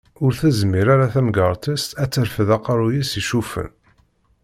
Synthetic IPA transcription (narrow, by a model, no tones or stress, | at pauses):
ʊɾθæzmiɾaɾaθæmɡəɾˤt̪əst̪æt͡sːəɾfəðɑqɾˤujisiʃufə̰n